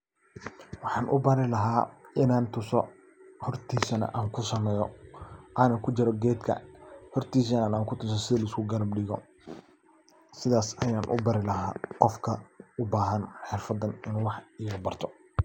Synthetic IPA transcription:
wɑħɑːnʔʊ̰bɐɾɪlɐɦaːɪnaːnt̪ʰʊsɔ | hɔrt̪ʰiːsɐnɐ̰ʔaːŋkʰʊsɐmɛːjɔʔanɐkʰʊt͡ʃɪɾɔɡɛːd̪kʰɐ̰hɔrt̪ʰiːs̬ɐnnaːŋkʰʊt̪ʰʊsɔsɪðɐlɐɪskʰʊɡɐlɐbɖɪɣɔ̰ | sɪðaːsɐjaːnʔʊ̰bɐɾɪlɐɦaːqɔfkʰɐʊbaːɦɐnħɛrfɐd̪ɐnɪnuːwɑħɪːɣɐbɐrt̪ʰɔ

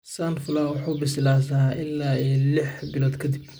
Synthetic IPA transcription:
saːnfʊlaːwʊħuːbɪsɪlaːsɐʔɪlːaːɛlɪħbɪlɔːd̪kʰɐd̪ɪb

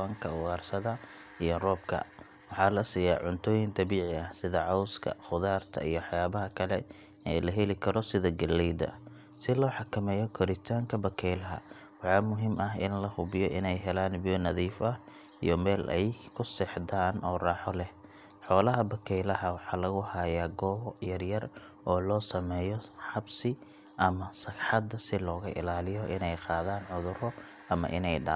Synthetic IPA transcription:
aŋkʰɐʊwaːrsɐðɐ | ijɔrɔːb̚kʰɐ̰ | wɑħɑːlɐsiːjaːʕʊnt̪ʰɔːjɪnd̪ɐβiːʕɪɐhsɪðɐʕɑwskʰɐ̰χʊðaːrt̪ʰɐ̰ijɔwɑħjaːβɐɦɐkʰɐlɛ̰ | ɛ̰ːlɐɦɛlɪkʰɐɾɔsɪðɐɡɐlːɛjd̪ɐ̰ | sɪlɔːħɑkʰɐmɛːjɔkʰɔɾɪt̪ʰaːŋkʰɐbɐkʰɛjlɐɦɐ̰ | wɑħɑːmʊɦimʔɐɦɪnlɐhʊβɪjɔʔɪnɛjɦɛlaːnbɪjɔnɐðiːfɐ | ḭjɔmɛːlʔɛjkʰʊsɛħd̪aːnɔːrɑːħɔlɛh | ħɔːlɐɦɐbɐkʰɛjlɐhɐwɑħɑːlɐɣʊhɐjaːɡɔːβjɐrjɐr | ɔːlɔːsɐmɛːjɔħɑbsɪ | ʔɐmɐsɐɡħɑd̪ɐsɪlɔːɣɐʔɪ̰laːlɪjɔʔɪnɛjqɑːðaːnʕʊðʊɾɔ | ɐmɐ̰ʔɪ̰nɛjɖɑ̰

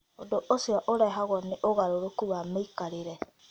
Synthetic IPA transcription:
odoʔosjɔʔoɾɛɦaɣwɔneʔoɣaɾoɾokuβameikaɾeɾɛ

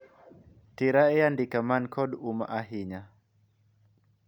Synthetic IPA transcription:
tiɾaejandikamankʰɔduma̰ʔaɦiɲa

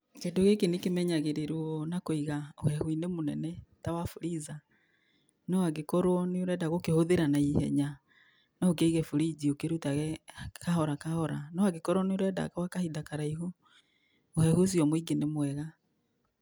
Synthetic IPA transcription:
kendoɣekenekemɛɲaɣeɾeɾwɔnakoiɣaohɛhwinemonɛ̰nɛtawafuɾiza | nɔwaɡekɔɾwɔneoɾɛdaɣokehoðeɾanaihɛ̰ɲa | naok̬eiɣɛfuɾiziokeɾutaɣɛkahɔɾakahɔɾanɔaɡekɔɾwɔneoɾɛda̰kawakahidakaɾaiɦo | ohɛhos̬iɔmwiɡenemwɛɣa

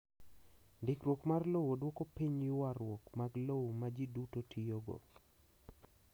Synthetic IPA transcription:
ndɪkɾwɔkmarlowodwɔkopiɲjʊwaɾwɔkmaɡlowmad͡ʒidutotʰijoɡo̰

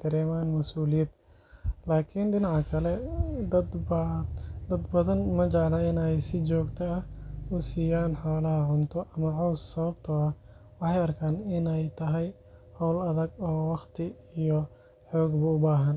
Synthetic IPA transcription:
t̪ʰɐɾɛːmaːnmɐsuːlɪjɐd̪̥ | laːkʰɪnɖɪnɑʕkʰɐlɛd̪ɐd̪bɐd̪ɐd̪bɐðɐnmɐt͡ʃɛʕlɐɪnɛjsɪt͡ʃɔːɡt̪ʰɐɐhʊsiːjaːnħaːlɐɦɐʕʊnt̪ʰɔʔɐmɐʕɑwssɐβɐb̚t̪ʰɔɐh | wɑħɑjɐrkʰaːnɪnɛjt̪ʰɐɦɛj | hɔwlɐðɐɡɔːwɑχt̪ʰɪ | ijɔ | ħɔːɡbɐʊbaːɦɐn

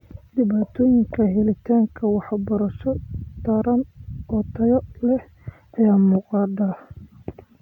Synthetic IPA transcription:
ɖ̪ɪβaːt̪ʰɔːjɪŋkʰɐɦɛlɪt̪ʰaːŋkʰɐwɑħbɔɾɐʃɔt̪ʰɐɾɐnɔːt̪ʰɐjɔlɛh | ɐjaːmuːqɑːd̪a

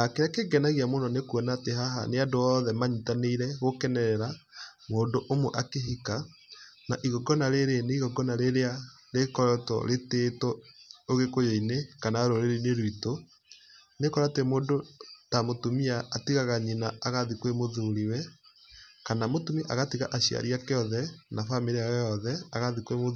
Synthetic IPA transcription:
akeɾakeɡɛnaɣiamonɔnekwɔnateɦaɦa̰neadoɔðɛmaɲitaneiɾɛɣokɛnɛɾɛɾamoːndoʔomoʔakeɦika | naʔiɣɔɡɔnaɾeɾeneiɣɔɡɔnaɾeɾea | ɾekɔɾɔtɔ̰ɾetetɔoɣekojoinekanaɾoɾeɾineɾwito | nekɔɾatemoːndotamotumiaːtiɣaɣaɲinaːɣaðikwemoðoɾiwɛ | kanamotumiʔa̰ɣatiɣaʔaɕia̰ɾiakeɔðɛnafameɾeaɔjɔðɛaɣaðikwemo

